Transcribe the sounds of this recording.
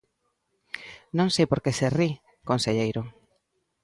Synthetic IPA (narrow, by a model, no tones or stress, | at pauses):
nõŋsejpoɾkeseri | konseʎejɾʊ